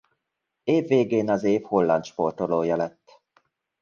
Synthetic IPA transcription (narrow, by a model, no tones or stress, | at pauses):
eːvːeːɡeːnɒzeːfholːɒnt̪ʃport̪oloːjɒlɛt̪ː